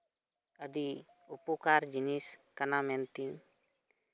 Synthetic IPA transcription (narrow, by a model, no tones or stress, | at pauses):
ədi | upukaɾd͡ʒiniskanamɛnt̪iŋ